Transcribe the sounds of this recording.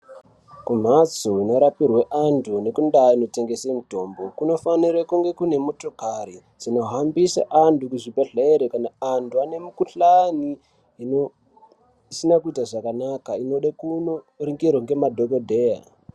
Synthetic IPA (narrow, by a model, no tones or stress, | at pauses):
kum̤at͡soino̞ɾapirweʔantʰune̞kundaino̞te̞ŋɡe̞semito̞mbo̞kuno̞faniɾakuŋɡe̞kune̞mo̞to̞kaɾi | d͡zino̞ɦambisa̰ʔantukuʐibʱeɮeeɾekanaantʰuane̞mukuɬani | isinakuitaʐakanakaino̞ɗakuno | riŋɡirwoŋɡe̞madʱokodʱe̞ja̰